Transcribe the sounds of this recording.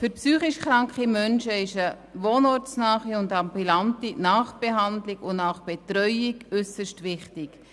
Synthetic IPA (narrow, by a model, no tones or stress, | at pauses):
fʏɾpsyːχiʃχɾɑŋkχimœnʃəɪʃə | ʋoːnɔɾt͡snɑːχiʊndɑmbylɑntinɑːχb̥ɛɦɑndlɪkʊnnɑχb̥ɛtɾœʏikʏsəʃtʋɪχtɪk